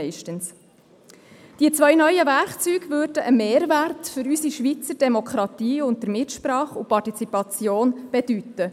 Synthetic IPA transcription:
ɛɪʃtəns | d̥iət͡sʋœjnœʏjəvæɾkt͡syːɡ̥vøːɾdəʔəmeːɾværtfʏɾysiʃʋit͡səd̥emokʰɾɑt̪iːʊnt̚dəɾmɪtʃpɾɑːχupʰɑtit͡sipɑt͡sjoːnb̥ed̥ytːə

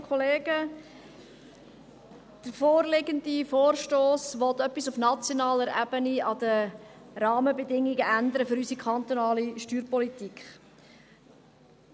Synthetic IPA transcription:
kʰɔleːɡ̥ə | d̪̥əɾfoːrlɪɡəndifoːrʃtoːsʋɔt̪œpːisufnɑt͡sjonɑːləɾɛbəniɑd̪ə | ɾɑːməbɛdɪŋːiɡəʔænd̪əɾəfɵɾysikʰɑnt̪onɑːliʃtyːɾpɔlit̪ikχ

